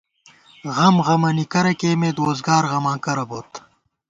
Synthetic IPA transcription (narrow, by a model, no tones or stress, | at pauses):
ɣɐmɣɐmɐnikɐɾɐkeːmeːd̪oːzɡɑːɾɣɐmãːkɐɾɐboːt̪